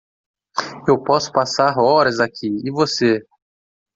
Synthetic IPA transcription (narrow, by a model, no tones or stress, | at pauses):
ewpɔsʊ̥pasaɾɔɾɐzakʰiɪvose